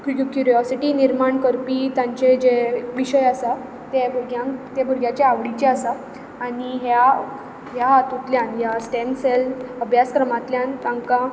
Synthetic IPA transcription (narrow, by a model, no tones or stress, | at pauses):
kkukjuɾijɔsiʈiːniɾmaɳkəɾpit̪jãɲt͡ɕed͡ʑeʋiɕəjasa | t̪ebʱuɾɡjãt̪ebʱuɾɡʱjat͡ɕeaʋɽit͡ɕeasaː | ɽiɦja | ɦjat̪ut̪ljanjasʈemseləbʱjaskɾəmat̪ljãnt̪ãŋka